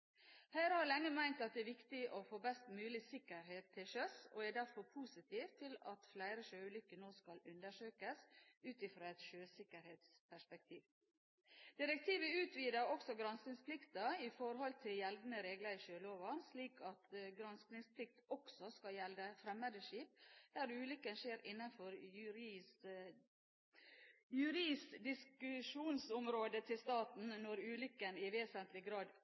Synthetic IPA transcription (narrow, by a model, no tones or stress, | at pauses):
hæːɾhɑɾlɛŋːəmæɪnt̪ɑt̪̚d̪ɛːʋɪkt̪ɪʔofoːbɛst̪mʉːlɪsɪkːəɾɦeːt̪ʰːɪlʃøsoæɖ̪æɾfɔɾpʰuːsɪt̪ʰiːʋt̪ʰɪlɑt̪flæɪɾəʃøːʉlʏkːənoːskɑlʉnd̪əʂøːkəsʉːt̪ɪfɾoːɛt̪ʃøːsɪkəɾheːt̪spʰæʂpɛk̚t̪ʰiːʋ | d̪̥ɪɾɛk̚t̪ʰiːʋəʉːt̪ʰʋiːd̪əɾɔksɔɡɾɑnsnɪŋspʰlɪkt̪əɪfɔɾɦɔlt̪ʰɪljɛld̪nəɾeːɡləɾɪʃøːloːʋɑnsliːkʰɑt̪ɡɾɑnsknɪŋspʰlɪk̚t̪ɔksɔskɑjɛld̪əfɾɛmːəd̪əʂiːp̚d̪̥æːɾʉːlʏkənʂeːɾɪnːɑnfɔɾ | jʉɾiːsd̪ɪskʉʂuːnsɔmɾoːd̪ət̪ʰɪlst̪ɑːt̪n̩nɔɾʉːlʏkːənɪʋeːsənt̪lɪɡɾɑːd̪